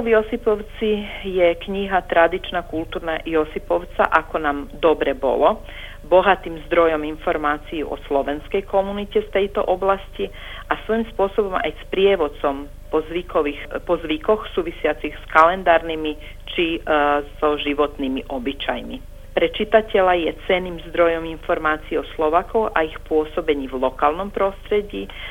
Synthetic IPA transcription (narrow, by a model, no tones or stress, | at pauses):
ɔʋjɔsipɔʊt͡sijɛkɲiɦat̪ɾad̪it͡ʃnakult̪uːɾnajɔsipɔʊt͡sa̰ʔakɔnaːmd̪ɔbɾɛbɔ̰lɔ | bɔɦat̪iːmzd̪ɾɔjɔminfɔɾmaːt͡sijuʔɔ̰slɔʋɛnskɛjkɔmunicɛft̪ɛjt̪ɔ̰ʔɔblasci | ʔasʋɔimspʊɔsɔbɔma̰jspɾɪɛʋɔt͡sɔm | pɔzʋikɔʋixpɔzʋikɔxsuːʋisɪat͡siɣskalɛnd̪aːɾnimi | t͡ʃizɔʒiʋɔt̪nimiʔɔbit͡ʃajmi | pɾɛt͡ʃit̪acɛlajɛt͡sɛniːmzd̪ɾɔjɔminfɔɾmaːt͡siːɔslɔʋaːkɔʊʔaixpʊɔsɔbɛɲiːvlɔkaːlnɔmpɾɔst̪ɾɛɟiː